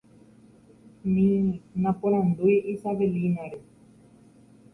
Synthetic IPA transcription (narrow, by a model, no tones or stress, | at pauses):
nĩnãpoɾ̃ãnd̪ujisaʋelinaɾe